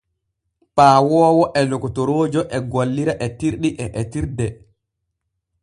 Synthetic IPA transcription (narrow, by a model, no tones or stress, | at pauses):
paːwɔːwɔʔɛlɔkɔtoɾoːd͡ʒɔʔɛɡolːiɾaʔɛtiɾɗiʔɛʔɛtiɾdɛ